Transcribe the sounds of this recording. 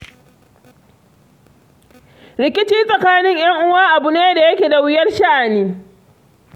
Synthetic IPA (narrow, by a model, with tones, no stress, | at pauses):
ɾɪ˨kʲɪ˦t͡ʃiː˦sʼɐ˨kaː˦nɪ˦ŋjɐ˦ŋʔʊ˦waː˦ʔa˨bʊ˦neː˦da˨jɐ˦kʲeː˨da˨wɪ˦jɐ˦rʃa˦ʔa˨niː˦